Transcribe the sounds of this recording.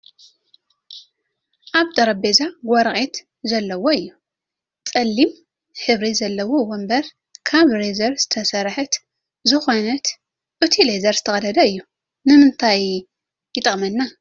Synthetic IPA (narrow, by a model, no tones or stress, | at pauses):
ʔaβd̪ɐɾɐbezaɡʷɐɾχʼet̪ | zɐlːɐwoɨjːu | t͡sʼɐlːim | ħɨβɾizɐlːɐwo̞wombɐɾ | kʰaβɾezɐɾz̥ɨt̪ʰɐsɐɾħɨt̪ | zɨxo̞nɐt̪ | ʔɨt̪ʰilezɐɾzɨt̪ʰɐxʼɐlɐd̪ɐɨjːu | nɨmɨnt̪ʰaj | jɪt̪ʼɐχʼmɐnːa